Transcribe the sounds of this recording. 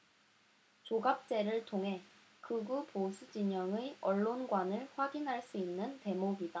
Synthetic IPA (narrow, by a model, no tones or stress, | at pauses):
t͡ɕoɡap̚t͡ɕ͈e̞ɾɯɭtʰoŋɦe̞ | kɯɡuposʰud͡ʑiɲʌŋɯʌɭːonɡwanɯɭɸwaɡinɦaɭs͈uinːɯnte̞moɡida